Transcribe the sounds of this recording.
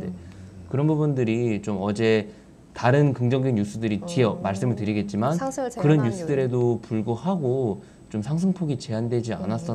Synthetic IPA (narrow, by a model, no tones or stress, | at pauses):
dekɯɾʌnbubundɯɾit͡ɕomʌd͡ʑe̞ | taɾɯnkɯŋd͡ʑʌŋdenjus͈ʰudɯɾit͡ɕiʌmaɭs͈ɯmɯɭtɯɾiɡe̞t̚t͡ɕ͈imankɯɾʌnjus͈udɯɾe̞dopuɭɡohaɡo | t͡ɕomsʰaŋs̬ʰɯŋpʰoɡit͡ɕe̞andwe̞d͡ʑia̰nas͈ʌ